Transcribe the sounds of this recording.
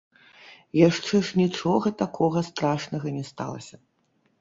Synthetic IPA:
jaʂt͡ʂɛʂnʲit͡ʂɔɣɐt̪akʰɔɣɐst̪ɾaʂnɐɣɐnʲɛst̪a̰lˠɐ̰sʲɐ

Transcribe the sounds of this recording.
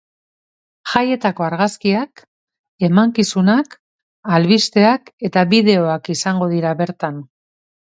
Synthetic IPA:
xaje̞t̪ako̞aɾɣaskiak | e̞maŋkisunak | alβist̪e̞ake̞t̪aβiðe̞o̞akisaŋɡo̞ð̞iɾaβe̞ɾt̪an

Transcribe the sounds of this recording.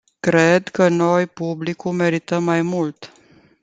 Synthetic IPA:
kɾed̪kəno̞jpublikume̞ɾit̪əmːajmult̪

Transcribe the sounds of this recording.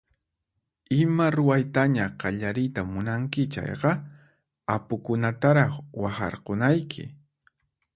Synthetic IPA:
ɪmaɾʊwajt̪aɲaqɑʎaɾɪjt̪amʊnaŋkɪt͡ʃa̰jqɑ | apʊkʊnat̪aɾɑχwɑχɑ̰ɾqonajkʰɪ̰

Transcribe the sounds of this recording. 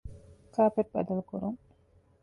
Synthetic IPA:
kaːpeʈ̚bɐ̰d̪ɐlkuɾuŋ

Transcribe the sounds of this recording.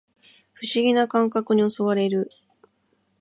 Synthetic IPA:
ɸɯ̟ɕiɡʲinakãŋkakɯ̟ɲ̟io̞so̞βaɾe̞ɾɯ̟

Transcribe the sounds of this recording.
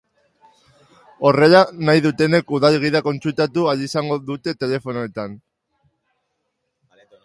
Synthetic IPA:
o̞re̞lanajðut̪e̞ne̞kuðalɣ̞iðako̞nt͡sult̪at̪ualisaŋɡo̞ðut̪e̞t̪e̞le̞fo̞noet̪an

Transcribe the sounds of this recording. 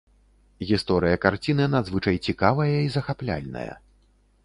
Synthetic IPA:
ɣʲist̪ɔɾɨjɐkart͡sʲinɨnad̪zvɨt͡ʂɐjt͡sʲikavɐjɐizɐxaplʲa̰lʲnɐ̰jɐ̰

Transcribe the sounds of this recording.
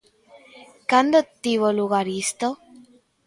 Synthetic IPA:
kand̪ot̪ːiβoluɣaɾist̪o

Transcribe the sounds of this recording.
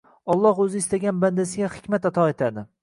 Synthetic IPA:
ɒlˠːɒhɵzɪːst̪aɡʲanband̪asɪɡʲahɪ̥kʲmat̪at̪ʰɒet̪ʰad̪ɪ

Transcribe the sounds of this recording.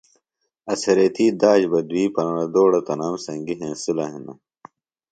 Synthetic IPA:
ɐsɐɾeːt̪ʰiːd̪aːd͡ʑbɐd̪wiːpɐnɐnɐd̪oːɽɐt̪ɐnaːmsɐ̃ŋɡiɦẽːsulaːɦinɐ̰

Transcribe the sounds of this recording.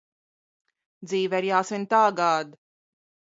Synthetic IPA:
d̪ziːvɛɾjaːsɨnʲt̪aːɡaːd̪

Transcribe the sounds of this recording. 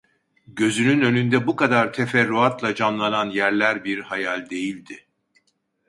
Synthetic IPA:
ɟø̞zynynø̞nynd̪ɛbukad̪aɾt̪ʰefɛɾːuat̪lˠad͡ʒanlˠananjæɾlʲæɾbiɾhajalʲd̪e̞jilʲd̪ɪ

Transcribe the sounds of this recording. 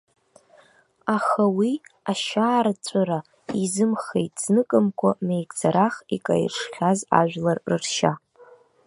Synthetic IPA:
aχawiaʃaːɾat͡ɕʷʼɨɾa | izɨmχḛjtʼz̥nɨkʼɨmkʷʰamejkʼd͡zaɾaχikʼa̰j̰rʂχʲaza̰ʒᶣlarrɨrʃa

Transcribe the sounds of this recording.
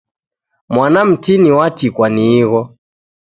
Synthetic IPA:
mwanam̩tiniwatikwaniːɣɔ

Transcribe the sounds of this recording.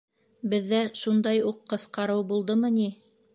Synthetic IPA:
bɘ̆ðːæʃund̪ɑjuqːɤ̆θqɑɾɤwbulˠd̪ɤmɤni

